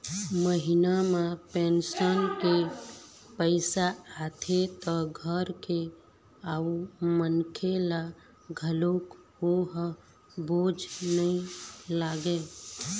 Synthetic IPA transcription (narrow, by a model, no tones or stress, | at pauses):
məɦinamepensənke | pəɪsaːt̪ʰet̪ɔɡʱəɾke | aumənkʰela | ɡʱəlok | hoɦ | bod͡ʒʱnəilaɡe